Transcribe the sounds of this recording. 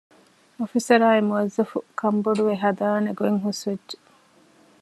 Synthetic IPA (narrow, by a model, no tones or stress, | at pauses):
ofisɐɾaːemuɐzːɐfukʰɐmboɖuʋeɦɐd̪aːneɡoeŋɦusʋedd͡ʒe̥